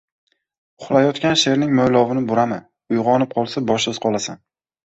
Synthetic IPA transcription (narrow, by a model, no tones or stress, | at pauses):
ʊχlˠajɒt̪kʲanʃe̞ɾnɪŋmojlˠɒvɪnɪbʊɾamɪ | ʊjʁɒnɪp̚qʰɒlˠsabɒʃɪz̥qʰɒlˠasan